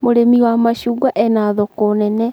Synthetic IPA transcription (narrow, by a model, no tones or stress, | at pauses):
moɾemiwamaɕuːɡwaʔɛnaðɔkonɛnɛ